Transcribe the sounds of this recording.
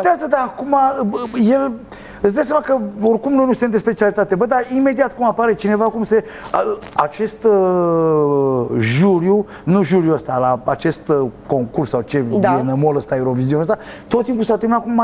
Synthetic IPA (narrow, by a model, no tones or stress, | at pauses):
t̪ʲazəd̪aːkumaje̞l | ɨt̪sd̪as̬amakəo̞rkumno̞jnusɨ̥t̪emd̪espe̞t͡ʃialit̪at̪e̞bəd̪aime̞d̪iat̪kumapaɾe̞t͡ʃine̞vakumse | a̰t͡ʃe̞st̪ | ʒuɾju | nuʒuɾjuəst̪alaat͡ʃe̞st̪ko̞ŋkursːawt͡ʃe̞enəmoləst̪aewɾo̞viziunəst̪at̪ot̪ːimp̬usat̪əmpnakuma